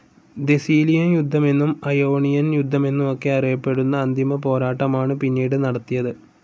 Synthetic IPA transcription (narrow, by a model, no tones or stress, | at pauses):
d̪e̞siːlijɐnjud̪ʱːɐme̞nːumɐjoːɳijɐnjud̪ʱːɐme̞nːumo̞kːe̞ɐrijɐpːe̞ɽunːɐːnd̪ʱimɐpo̞ːɾaːʈːɐmaːɳɨpinːiːɽɨnɐɽɐt̪ːijɐðɨ